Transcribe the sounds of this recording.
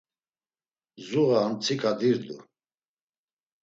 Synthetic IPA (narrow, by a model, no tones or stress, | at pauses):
zuʁaːnt͡sʰikʰad̪iɾd̪u